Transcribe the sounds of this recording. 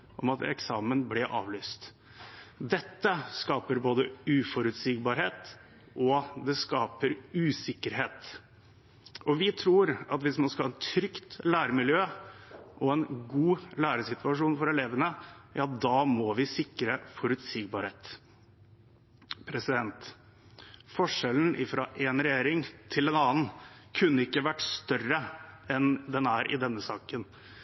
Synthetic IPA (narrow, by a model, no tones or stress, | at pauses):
ʔɔmɑt̪ɛ̰ksɑːmənblɪʔɑ̰ːʋlyːst̪ | d̪ɛt̪ːəskɑːpəɾboːd̪əʉːfɔɾʉt̪siːɡbɑːɾheːt̪ | ʔɔd̪ɛskɑːpəɾʉːsɪkːəɾɦeːt̪ | ɔʋɪt̪ʰɾuːɾɑt̪ʋɪsmɑnskɑhɑːɛt̪ʰɾʏkt̪læːɾəmɪljøːʔɔɛnɡuːlæːɾəsɪt̪ʉɑʂuːnfɔɾɛleːʋənəjɑːd̪ɑmɔʋɪsɪkːɾəfɔɾʉt̪siːɡ̚bɑɾheːt̪ | pʰɾɛsɪd̪ɛnt̪ | fɔʂɛln̩ʔɪfɾɑ̰ʔɛnɾɛjeːɾɪŋt̪ʰɪld̪ɛnɑːn̩kʰʉnːəɪkːəʋæʈːst̪œrəɛnd̪ɛnæːɾʔɪ̰d̪ɛnːəsɑːkən